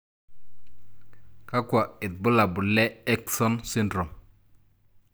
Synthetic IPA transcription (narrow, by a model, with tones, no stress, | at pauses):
ka˦kwa˨ɪ˨t̪̚bʊ˦la˨bʊ˨lɛ˦ɛ˦ksɔ˦nsi˦ndɾo˨m